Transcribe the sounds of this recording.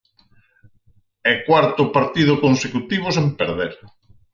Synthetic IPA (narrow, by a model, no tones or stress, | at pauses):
ɛkwaɾt̪ʊpaɾt̪ið̞ʊkonsekut̪iβ̞ʊsempeɾðeɾ